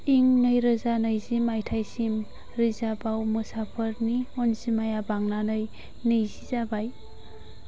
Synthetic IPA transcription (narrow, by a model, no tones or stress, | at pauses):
iŋnɯjɾɯzanɯjzimajtʰajsim | ɾizabawmɯsapʰəɾniɔnzimajabaŋnanɯj | nɯjzizabaj